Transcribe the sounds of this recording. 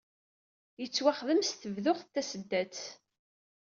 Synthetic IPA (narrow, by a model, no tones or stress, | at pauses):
jət͡sːwaχðəmst̪əvðʊʁθːæsəd̪ːæt͡s